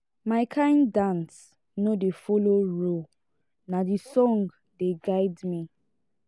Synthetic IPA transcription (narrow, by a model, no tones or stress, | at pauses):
maɪkʰãɪ̃ndãns | nodefoloɹo | nadisɔ̃ŋɡ | deɡaɪdmi